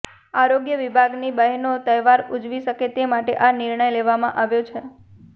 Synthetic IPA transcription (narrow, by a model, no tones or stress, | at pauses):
aɾoɡjəʋibʱaɡnibəɦnot̪əjʋaɾud͡ʒʋiʃəket̪emaʈeʔanɪɾɳəjleʋamãʔaʋjot͡ʃʰe